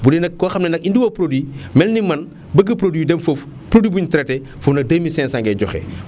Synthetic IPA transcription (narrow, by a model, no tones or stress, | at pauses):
bunɛndɐkːɔxɐmnɛndɐkindiwɐpɾodwimɛlnimɐn | bəɡɐpɾodidɛnfof | pɾodwibuɲtɾɛtɛ | fufnɐk̚dɐmisɛːnsaŋɡɛɟɔ̰xɛ̰